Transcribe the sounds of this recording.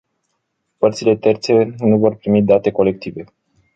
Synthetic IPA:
pərt̪sile̞t̪e̞rt̪se̞nuvo̞rpɾimid̪at̪e̞ko̞le̞k̚t̪ive̞

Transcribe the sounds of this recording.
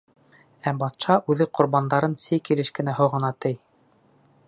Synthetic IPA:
æbɑt̪ʃɑʔʉðɘqŏɾbɑnd̪ɑɾɤnsɘjkilɘʃkɘ̆næɦŏʁɤ̆nɑt̪ɘj

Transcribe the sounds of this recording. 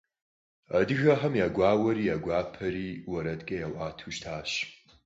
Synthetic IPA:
adɨɣɐħɐmjaːɡʷaːwɐɾiːjaɡʷaːpʰɐɾiːwɐɾɐdkʼɐjawʔaːtʰuʒtʰaːʃ

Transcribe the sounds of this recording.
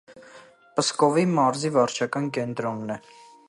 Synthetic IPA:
pəskɔvimɑɾzivɑɾt͡ʃʰɑkɑnkɛnt̪ɾɔnːɛ

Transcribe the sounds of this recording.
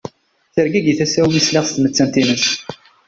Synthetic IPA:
θəɾɡæɡiθæsæwnislɪʁst̪mət͡sːænt̪inəs

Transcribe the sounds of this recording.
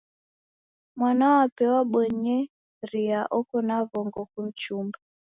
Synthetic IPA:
mwanawapɛwaɓwɛɲɛ | ɾiaʔɔkɔnavɔŋɡɔkum̩t͡ʃumba

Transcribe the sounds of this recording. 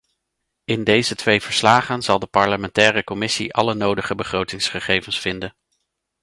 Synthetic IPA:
ɪndejzətʋejv̥əɹslaːχənz̥ɑlˠdəpɑɹləmɛntɛːrəkɔmɪsḭʔɑ̰lənowdəχəbəχrowtɪŋsχəχejvənsfɪndən

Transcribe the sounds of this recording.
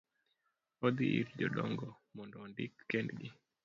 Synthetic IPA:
ɔd̪iʔḭɾd͡ʒɔɗɔŋɡɔ | mɔndɔːndɪkːɛndɡɪ

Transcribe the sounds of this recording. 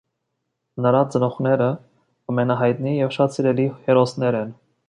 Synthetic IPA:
nəɾɑt͡sənɔχnɛɾə | ɑmɛnɑɦɑjt̪nijɛvʃɑt̪siɾɛlihɛɾɔsnɛɾɛn

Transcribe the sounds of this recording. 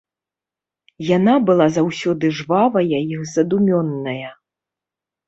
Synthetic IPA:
janabɨlˠazawsʲɔd̪ɨʐvavɐjajixzɐd̪umʲɔnːɐjɐ

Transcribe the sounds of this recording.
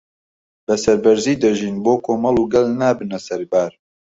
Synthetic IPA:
bɐsɐɾbɐɾziːd̪ɐʒiːnboːkʰoːmɑlˠuːɡɐlnaːbɨnɐsɐɾbaːɾ

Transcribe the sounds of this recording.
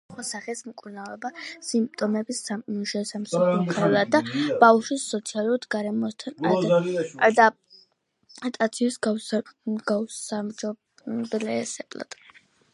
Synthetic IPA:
χasaχɛsmkʼuɾnavɛbasimp̚t̪ʼɔmɛbisauʃɛsamsɔɔχʰɛlˠad̪̚ːab̥aʃisːɔt̪sʰialˠuɾt̪ʰɡaɾɛmɔst̪ʰanaaad̪a | t̪ʼat̪sʰiusɡ | ɡaamd͡ʒɔ | blɛsɛbla̰d̪̥

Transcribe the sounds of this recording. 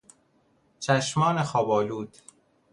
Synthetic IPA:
t͡ʃʰæʃmɒːnexɒːbɒːluːd̪̥

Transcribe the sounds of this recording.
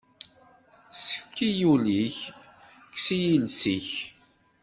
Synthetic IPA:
sə̥fkːijuliç | kːsijilsiç

